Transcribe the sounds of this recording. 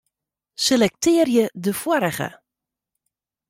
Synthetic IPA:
selɛk̚tɪːrjədəfwɔɾəɣə̰

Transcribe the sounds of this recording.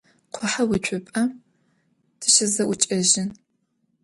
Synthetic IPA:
qʷʰʊħawit͡ʃʷʰʊpʼɐ | dʰɨʃɪzɐwʊt͡ʃʼɐʑɪn

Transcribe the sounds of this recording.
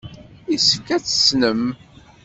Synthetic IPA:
isəfkæt͡sːə̥snəm

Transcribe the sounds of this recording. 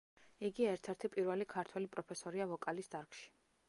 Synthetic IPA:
iɡiɛɾt̪ʰɛɾt̪ʰipʼiɾvɛlikʰaɾt̪ʰwɛlipʼɾɔpʰɛsɔɾiavɔkʼalisd̪aɾkʼʃi̥

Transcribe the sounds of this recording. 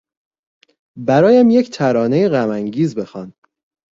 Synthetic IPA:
bæɾɒːjæmjecʰt̪ʰæɾɒːne̞jeɣæmæŋɟiːzbe̞xɒːn

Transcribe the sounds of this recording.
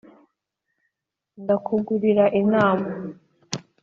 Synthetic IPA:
ndakuɡuɾiɾaʔinaːma

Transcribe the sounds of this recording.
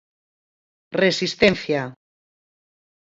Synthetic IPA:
resist̪en̟θja

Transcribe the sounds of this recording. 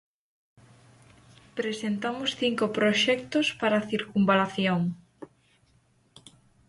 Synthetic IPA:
pɾesent̪amʊsθiŋkopɾoʃɛkt̪ospaɾaθiɾkumbalaθjoŋ

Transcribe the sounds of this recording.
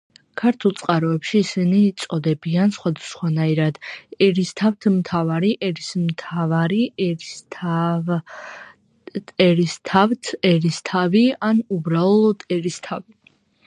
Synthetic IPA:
kʰaɾt̪ʰulˠt̪sʼqʼaɾɔɛpʃiːsiniːt̪sʼɔd̪ɛbiansχwad̪asχwanaiɾad̪ɛɾist̪ʰavt̪ʰmt̪ʰavaɾiʔɛɾismt̪ʰavaɾi | ɛɾist̪ʰavt̪ʰɛɾist̪ʰavianubɾalɔd̪ɛɾist̪ʰavi

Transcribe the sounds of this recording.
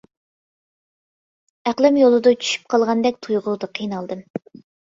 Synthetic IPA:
æqlˠɪmjolˠɨd̪ʊt͡ʃʰy̥ʃy̥p̚qʰɑlˠʁɑnd̪ɛk̚ʲt̪ʰujʁʊd̪ɨqʰijnɑlˠd̪ɨm

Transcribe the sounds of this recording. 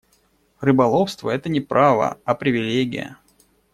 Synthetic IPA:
rɨbɐlˠo̞fst̪vəɛt̪ənʲɪpɾʔavə̰apɾʲɪvʲɪlʲeɡʲɪ̰jə̰

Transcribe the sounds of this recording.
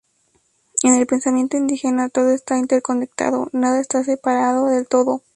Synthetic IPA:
e̞ne̞lpe̞nsamje̞nt̪o̞ind̪ixe̞nat̪o̞ðo̞e̞st̪aint̪e̞ɾko̞ne̞k̚t̪a̰ðo̞̰naðae̞st̪as̬e̞paɾaðo̞ðe̞lt̪o̞ðo̞

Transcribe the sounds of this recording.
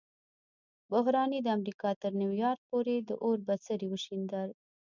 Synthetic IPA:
bʊɦɾɑnid̪əamɾikɑt̪əɾniwjɑɾk̚poɾed̪əʔoɾbat͡səɾiwəʃind̪əl

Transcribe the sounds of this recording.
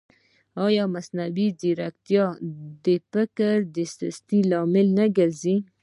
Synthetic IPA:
ɑjɑmasnawid͡ʒiɾakt̪jɑd̪əfɪkəɾd̪əsɪst̪ilɑmɪlnaɡaɾzi

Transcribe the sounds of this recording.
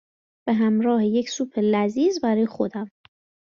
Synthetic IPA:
b̥eɦæmɾɒːhejecsuːpʰe̞læziːzbæɾɒːjexo̞d̪æm

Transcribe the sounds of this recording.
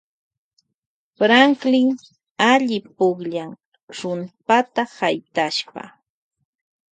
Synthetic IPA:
pɾaŋklɪŋ | aʎɪpʊχʎaŋ | ɾʊnpat̪ahajt̪aʃpa̰

